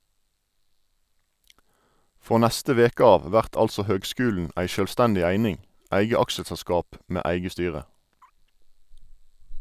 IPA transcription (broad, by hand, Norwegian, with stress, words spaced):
ˈfʁoː ˈnæstə ˈʋeːkə ˈɑːʋ ˈʋæʁt ˈɑlsɔ ˈhøːɡˌskʉːln̩ ˈʔæɪ ʃøːlˈstændɪ ˈæɪnɪŋ ˈæɪɡə ˈɑkʃəsɛˌskɑːp ˈmeː ˈæɪɡə ˈstyːʁə